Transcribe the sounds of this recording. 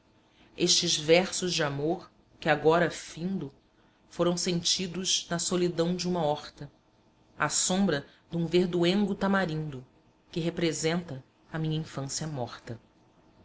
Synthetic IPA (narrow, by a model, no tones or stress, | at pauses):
eʃt͡ʃɪzvɛɾsʊzd͡ʒɪamoχ | kɪaɡɔɾɐfĩnd̪ʊ | foɾɐ̃w̃sẽnt͡ʃid̪ʊznɐsolid̪ɐ̃w̃d͡ʒɪũmɐɔχt̪ɐ | asõmbɾɐ | d̪ũveɾd̪uẽŋɡʊt̪amaɾĩnd̪ʊ | kɪɦepɾezẽnt̪ɐ | ɐmĩɲɐĩfɐ̃siɐmɔχt̪ɐ